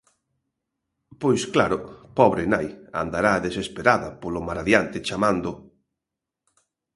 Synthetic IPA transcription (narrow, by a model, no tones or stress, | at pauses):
pojsklaɾʊpɔβɾenaja̰nd̪aɾaðesespeɾaðɐpolʊmaɾaðjant̪ɪt͡ʃamand̪ʊ